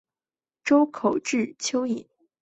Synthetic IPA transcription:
ʈ͡ʂo˥ʊkʰo˨˩ʊʈ͡ʂɻ̩˥˩t͡ɕʰjo˥ʊi˨˩˦n

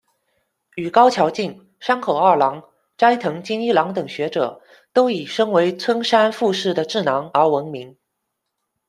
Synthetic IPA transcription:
y˨˩kɑ˥ʊt͡ɕʰjɑ˧˥ʊt͡ɕi˥˩ŋ | ʂa˥nkʰo˨˩ʊɐ˥˩lɑ˧˥ŋ | ʈ͡ʂa˥ɪt̪ʰɤ˧˥ŋt͡ɕi˥ni˥˩lɑ˧˥ŋt̪ɤ˨˩ŋɕɥɛ˧˥ʈ͡ʂɤ̰˨˩˦ | t̪o˥ʊi˨˩ʂɤ˥ŋwe˧˥ɪt͡sʰwə˥nʂa˥nfu˥˧ʂɻ̩˥˩d̪ə˩ʈ͡ʂɻ̩˥˩nɑ˧˥ŋə˞˧˥wə˧˥nmi˧˥ŋ

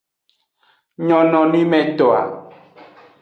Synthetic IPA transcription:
ɲɔ̃˨nɔ̃˨nĩ˦mɛ̃˨t̪ɔ˨a̰˨

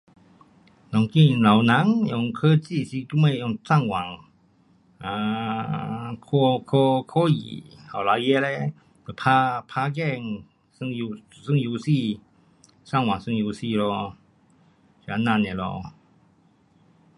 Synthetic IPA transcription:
nɔ˨˩ŋki˥˧˨la˨wnã˨˦ŋjɔ˧ŋkʰə˦t͡ɕi˥˧˨si˧ku˧˥˦me˧˨jɔ˧˨ŋsa˥˧˨ŋwa˨˩ŋ | a˧ | kʰo˧kʰo˧kʰo˦jḭ˨ha˨˩la˨˧je˦le˧˦ | o˨˩pʰa˧pʰa˧ɡɛ˥˧˨ŋ | sɨ˧ŋju˧ | sɨ˧˥˦ŋju˧si˥˧˨ | sa˥˨ŋwa˨˩ŋsɨ˧ŋju˧si˥˧˨lɔ˧ | si˨a˧nã˧˨ne˨lɔ̰˧

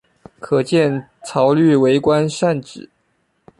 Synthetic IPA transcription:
kʰɤ˨˩t͡ɕjɛ˥˩n | t͡sʰɑ˧˥ʊly˥˩we˧˥ɪkwa˥nʂa˥˩nʈ͡ʂɻ̩˨˩˦

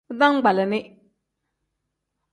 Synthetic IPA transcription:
da˦ŋ˦ɡ͡ba˨la˨nɪ˦

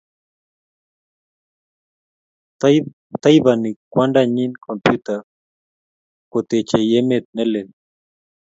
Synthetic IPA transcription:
t̪a˦jβani˨kwanɖaɲi˦nkʰompjut̪a | ko˨t̪e˨t͡ʃe˨jemet̪̚ne˦le˨n

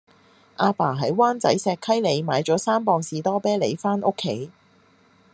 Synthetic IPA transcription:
ʔaː˧paː˨˩ɦɐ˨˥jwaː˥nt͡sɐ̰˨˥jsɛː˧kʰɐ˥jle˨˧jmaː˨˧jt͡ʃɔː˨˥saː˥mpɔː˧ŋsiː˨t̪ɔː˥pɛː˥le˨˧jfaː˥nʔo˥kʰːe˨˥j

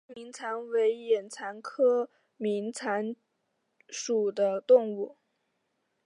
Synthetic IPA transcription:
mi˧˥ŋt͡sʰa˧˥nwe˧˥ɪjɛ˨˩nt͡sʰa˧˥nkʰɤ˥ | mi˧˥ŋt͡sʰa˧˥n | ʂu˨˩d̪ə˦t̪ʊ˥˧ŋu˥˩

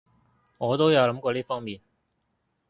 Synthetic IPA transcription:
ŋɔː˨˧t̪o˥wjɐ˨˧wlɐ˨˥mkɔː˧liː˥fɔː˥ŋmiː˨˩n

